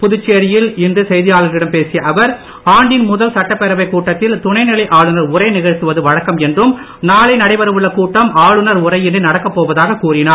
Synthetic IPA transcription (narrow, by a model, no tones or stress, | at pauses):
pʊðʊt͡ʃːeːɾɪjɪlɪndrɯsɛjðɪjaːlɐɾɪɽɐmpeːsɪjɐʔɐʋɐɾ | aːɳɖɪnmʊðɐlsɐʈːɐpːɛɾɐʋɐɪkːuːʈːɐt̪ːɪlt̪ʊɳɐɪnɪlɐɪʔaːɭɯnɐɾʊrɐɪnɪɣɐɻt̪ːɯʋɐðɯʋɐɻɐkːɐmɛndrɯm | naːlɐɪnɐɽɐɪʋɐɾɯʋɯɭːɐkuːʈːɐmʔaːɻɯnɐɾʊrɐɪɪndrɯnɐɽɐkːɐpːoːʋɐðaːɣɐkuːrɪnaː